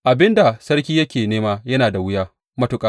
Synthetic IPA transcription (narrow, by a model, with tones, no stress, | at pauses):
ʔa˨bɪ˦nda˨sɐ˦rkʲiː˦jɐ˦kʲeː˨neː˦maː˦jɐ˦naː˨da˨wʊ˦jaː˦ | mɐ˦tʊ˨kʼaː˦